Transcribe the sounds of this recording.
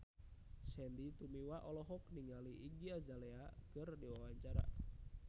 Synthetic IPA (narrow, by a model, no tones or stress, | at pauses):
sɛndit̪umiwaʔɔlɔɦɔk̚niŋaliiɡiazalɛakɨrdiwawaɲt͡ʃaɾa̰